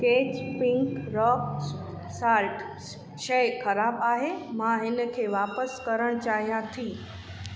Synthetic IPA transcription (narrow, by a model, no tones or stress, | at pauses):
keːt͡ɕpɪ̃ŋkɾɔːk | saːɾʈ | ʃɐxʰɐɾaːbaːɦemãɦɪnə̆kʰeːʋaːpəskɐɾəɽ̃t͡ɕaːɦijãt̪ʰiː